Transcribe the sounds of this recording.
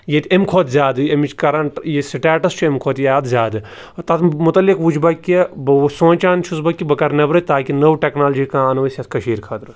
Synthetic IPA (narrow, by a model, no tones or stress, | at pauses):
jet̪ʲemkʰoːt̪zʲaːd̪ɨemit͡ʃkɐɾɐɳʈjesiʈaːʈɐst͡ʃʰuemkʰoːt̪jaːd̪zʲjaːd̪ɨ | t̪ɐt̪ʰmʊt̪ɐlːikʋud͡ʒbɐkʲːebsõːt͡ʃaːnt͡ʃʰusbɐkːibɐkɐɾnɐbɾɐt̪aːkʲinɐʋʈeknaːld͡ʒiːkãːnɐʋɐsʲɐt̪ʰkɐʃiːɾkʰɐt̪ɾɨ